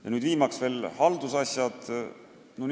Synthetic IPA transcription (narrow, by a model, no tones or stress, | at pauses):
jɑ̰nyːd̪viːmɑksve̞ːlhɑld̪usɑsjɑd̪̥ | non